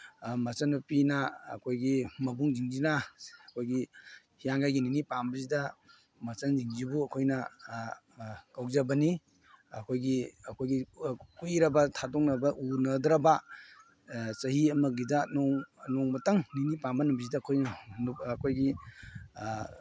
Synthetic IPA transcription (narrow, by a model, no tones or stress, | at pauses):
mɐt͡ʃɐnɐpina̰ːkʰojɡimɐbuŋziŋzinɐɐkʰojɡi | hijaŋɡajɡininipambɐzidɐ | mɐt͡ʃɐnd͡ʒiŋzibuɐkʰojnɐ | kawzabɐni | ɐkʰojɡiɐkʰojɡikuɾɐbɐtʰatoŋnɐbɐʔunɐdɾɐba | sɐhiɐmɐɡidanŋnɔŋmɐtaŋninipambɐnumbizidaːkʰojnɐnːkʰojɡi